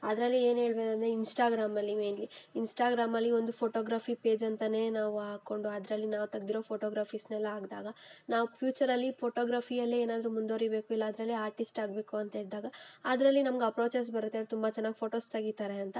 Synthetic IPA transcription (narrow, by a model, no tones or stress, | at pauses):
ɐd̪ɾɐlːie̞ːnɦe̞ːɭbeːd̪ɐnd̪ɾeinsʈaːɡɾaːmɐlːimeːnliinsʈaːɡɾaːmɐlːio̞nd̪upʰoːʈoːɡɾaːfʰipe̞ːd͡ʒɐnt̪ɐne̞ːnaːʋuaːko̞ɳɖuɐd̪ɾɐlːinaːʋt̪ɐɡd̪iɾo̞ːpʰoːʈoːɡɾaːfʰisnɛlːɐaːɡd̪a̰ːɡɐnaːʋupʰjuːt͡ʃɐɾɐlːipʰoːʈoːɡɾaːfʰijɐlːeeːnaːd̪ɐɾumund̪oːɾibe̞ːkuilːɐːd̪ɾɐlːiaːɾʈisʈaːɡbe̞ːkuɐnt̪ɐɦeːɭd̪aːɡɐːd̪ɾɐlːinɐmɐɡɐpɾo̞ːt͡ʃes̬bɐɾut̪ːeaɾt̪umbɐt͡ʃɛnːaːɡipʰo̞ːʈo̞ːst̪ɐɡit̪aɾeɐnt̪ɐ